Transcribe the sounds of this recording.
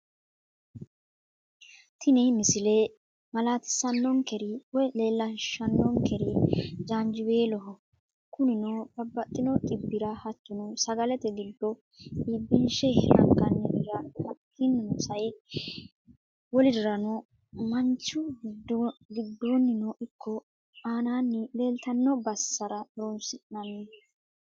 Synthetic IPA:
t̪ʰɪnɛmɪsɪle | mɐlaːt̪ɪ̥sːɐnːɔŋkɛɾɪwɔjle̞ːlːɐʃːɐnːɔŋkɛɾɪd͡ʒaːnd͡ʒɪbe̞ːlɔɦɔ | kʊnɪnɔb̥ɐbːɐt̪ʼːɪnɔtʼɪbːɪɾɐhɐt̪ːʊnɔsɐɡɐlɛt̪ɛɡɪd̪ːɔ | ibːɪnʃɛhɐ̰ŋɡʼɐnːɛʔɪɡahɐkʰːɪnːɔnɔsɐj | wɔlɪd̪ɪɾɐnɔ | mɐnt͡ʃːʊdɡɪd̪ːoːnːɪnɔʔɪkʰːɔ | aːnaːnːɪle̞ːlt̪ɐnːɔbɐsːɐɾɐloːnsɪnːɐnɛ

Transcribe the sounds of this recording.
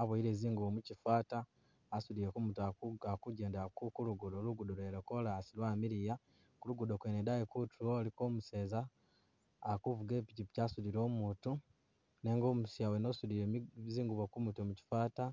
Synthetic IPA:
aβoiɾeziːŋɡuβomucifaːtaː | suðiɾekumutuaakuɟe̞ːndeakukuluɡudoluɡudoɾweɾokolasilwaːmiɾija | kuluɡudokwenedajekutʰuoliko̞ːmuse̞ːzaː | kuvuɡeːpicipi̥caːsuðiɾo̞ːmuːtu | ne̞ːŋɡoːmusjawenosuliɾeziːŋɡuβokumutomuci̥faːta

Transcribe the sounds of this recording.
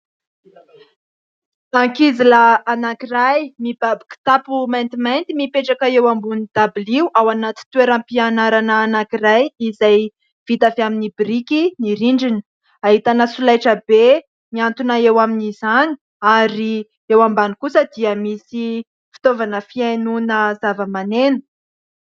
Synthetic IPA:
aŋkiziləanakirajmib̥abiki̥t̪apumajnt̪imajnt̪imipeʈ͡ʂakaewambunid̪̥abiliwʔawanat̪i̥t̪uweɾampianaɾanaːnakirajizaj | v̥it̪afeaminibrikiniɾiɳɖ͡ʐin | aɦit̪anəsulajʈ͡ʂəbe | miant̪unaewaminizani̥ | aɾi | ewambanikusəd̪iəmisi | fi̥t̪ovanəfianunəzavəmanenu̥

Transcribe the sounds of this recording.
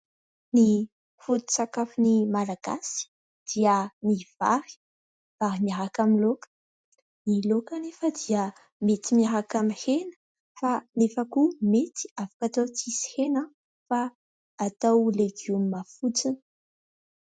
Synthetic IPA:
ni | fut̪i̥t͡sakafinimalaɡ̥a̰si̥ | d̪̥iəniv̥a̰ɾi̥ | v̥aɾimiaɾakamilokə̥ | nilokanefad̪iə | met̪imiaɾakamihenə̥ | fanefakumet̪i̥afḁkat̪ot͡sisi̥henə | faː | t̪awleɡummafut͡sinə̥

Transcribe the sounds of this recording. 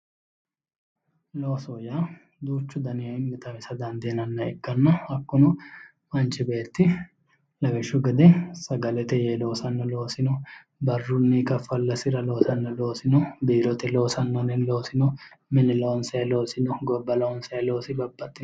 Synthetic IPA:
loːsoːja | d̪uːt͡ʃːʊd̪ɐnɪɐɪmːɪt̪ɐmɪsɐd̪ɐnd̪eːnɐnːɐɛkːɐnːɐɐkːʊnʊ | mɐnt͡ʃɪbeːt̪ːɪ | lɐɡɛʃːʊɡɐd̪ɛsɐɡɐlɛt̪ɛjeːlo̞ːsɐnːɐlo̞ːsɪnɔ | bɐrːʊnːikɐfːɐlːɐsɪɾɐloːsɐnːɐloːsɪnɔb̪iːɾɔt̪ɛlo̞ːsɐnːɐnɛnlo̞ːsɪnɔ | mɪnɪloɔnsɐɛlo̞ːsɪnɔɡɔbːɐlɐɔnsɐɛlo̞ːsɪbɐbːɐt̪ʼːɪ

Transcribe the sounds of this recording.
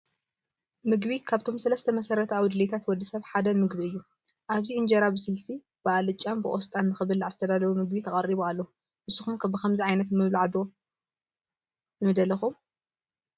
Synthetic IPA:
mɨɡβikʰaβt̪ʰo̞msɐlɐst̪ʰɐmɐsɐɾɐt̪ʰawd̪ɨlet̪ʰat̪wɔd̪ːisɐβħad̪ɐmɨɡβiɨjːu | ʔaβziɨnd͡ʒɐɾabɨsɨlsi | b̥ɨalɨt͡ʃʼːambɨʔʼost̪ʼanːɨxɨβɨlːʕazɨt̪ʰɐd̪alɐβumɨɡ̚bit̪ʰɐkʼɐɾiβualːɐu | ʔɨsːuxumkʰɐbɨkɐmziʕajnɐt̪mɨβluʕad̪o | nɨmɨd̪ɐlɐxum

